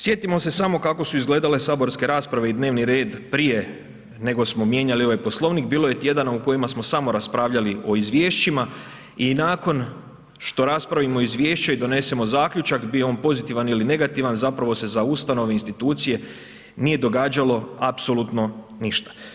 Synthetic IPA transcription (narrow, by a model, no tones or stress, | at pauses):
sje̞t̪imo̞se̞samo̞kako̞suizɡle̞ːd̪ale̞saːbo̞ɾske̞ɾaːspɾaʋe̞id̪ne̞ːʋniɾe̞ːd̪pɾije̞ | ne̞ɡo̞smo̞mje̞ɲalio̞ʋajpo̞slˠo̞ʋnikbiːlˠo̞je̞t̪je̞d̪anauko̞jimasmo̞samo̞ɾaspɾaːʋʎaliʔo̞izʋjeːʃt͡ɕima | inaːko̞n | ʃt̪o̞ɾaspɾaʋimo̞izʋje̞ːʃt͡ɕaid̪o̞ne̞se̞mo̞zaːkʎut͡ʃakbijeo̞ːnpo̞zit̪iʋaniline̞ɡat̪iʋanzapɾaʋo̞se̞zaust̪ano̞ʋeinst̪it̪uːt̪sije̞ | nije̞d̪o̞ɡaːd͡ʑalo̞apso̞lut̪no̞ | niʃt̪ḁ